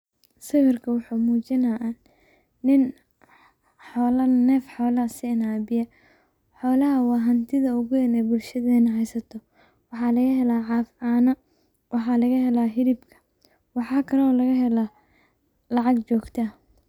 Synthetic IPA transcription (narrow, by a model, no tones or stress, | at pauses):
sɪwɪrkʰɐwɑħuːmuːt͡ʃɪnɐʔa | nɪn | ħɔːlɐnɛːfħɔːlɐsɪɪnaːbɪjɐ | ħɔːlɐɦɐwɑːɦɐnt̪ʰɪðɐʊɣʊjɐnɛːbʊlʃɐðɛːnɐɦɛjsɐt̪ʰɔ | wɑħɑːlɐɣɐɦɛlaːʕɑːfaːnɐ | wʔɑħɑːlɐɣɐhɛlaːɦɪɾɪbkʰɐ̥ | wɑħɑːkʰɐɾːlɐɣɐɦɛla | lɑʕɑɡt͡ʃɔːɡt̪ʰɐ